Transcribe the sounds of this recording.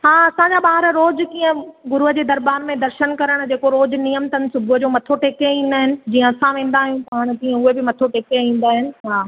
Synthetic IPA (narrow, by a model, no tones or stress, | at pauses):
ɦaːɐsãɲd͡ʑaɓaːɪɾɾoːd͡ʑkĩːə̃ɡʊɾuɦəd͡ʑeːd̪ɐɾbaːɾmẽd̪ɐɾʃənkɐɾəɽ̃d͡ʑeːkoɾoːd͡ʑnijəmt̪ənɪ̆sʊbʱʊəd͡ʑoːmɐt̪ʰoʈeːkeĩːn̆d̪aːɦɪnɪ̆d͡ʑiːə̃ɐsãʋẽːn̆d̪aːɦijũpaːɽ̃kiːə̃ʊɦebɪmɐt̪ʰoʈeːkeĩːn̆d̪aːɦɪnɪ̆ɦaː